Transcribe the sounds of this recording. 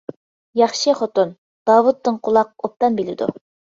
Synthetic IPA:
jɑχʃɨχot̪ʊn | d̪̥ɑːwut̪ːɨŋqʰʊlˠɑq̚op̚t̪ɑnbilɪd̪ṵ

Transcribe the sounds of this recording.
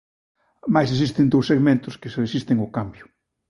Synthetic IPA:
majses̬ist̪end̪owseɣmẽnt̪ʊskeselesist̪eŋokambjʊ

